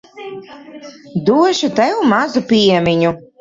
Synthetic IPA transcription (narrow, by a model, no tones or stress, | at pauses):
d̪uɔʃut̪ɛwumazupʲiɛmʲiɲu